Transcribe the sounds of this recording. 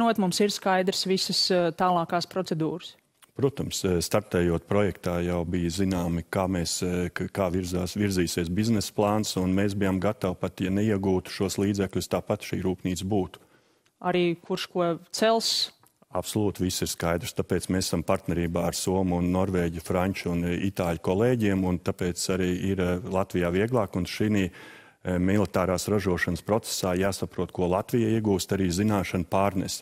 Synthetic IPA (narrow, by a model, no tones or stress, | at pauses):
nuɔt̪mumsiɾskajd̪ɾsʋisəst̪aːlˠɑːkaːspɾɔt̪sed̪uːɾəs | pɾuɔt̪ɐmsst̪aɾt̪ɛːjuɔt̪̚pɾɔjɛkt̪aːjawbijzinaːmɪkaːmeːskaːʋiɾzaːsʋiɾziːsiɛsbiznɛsplˠɑːnsunmeːsbijamɡat̪awpat̪janeiɛɡuːt̪u̥ʃuɔslˠiːd̪zɛklʲʊst̪aːpat̪ʃḭːɾuːpniːt̪sbuːt̪u̥ | aɾiːkuɾʃkuɔt̪sɛlˠs | apsɔlˠuːt̪ʋisːiɾskajd̪ɾst̪apeːt̪smessampaɾt̪nɛɾiːbaːaɾsuɔmuunːɔɾveːɟufɾaɲʲt͡ʃunḭt̪aːʎkɔlˠeːɟiɛmunt̪apeːt̪saɾiːiɾlˠat̪ʋijaːviɛɡlˠɑːkunʃiniː | milˠit̪aːɾaːsɾaʒuɔʃɐnspɾɔt̪se̥saːjaːsapɾuɔt̪̚kuɔlˠat̪vʋijaiɛɡuːst̪aɾiːzinaːʃɐnpaːɾnɛs